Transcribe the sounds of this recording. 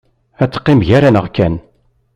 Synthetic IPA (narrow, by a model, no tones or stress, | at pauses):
æt͡sːə̥qːimʝæɾænəʁkæn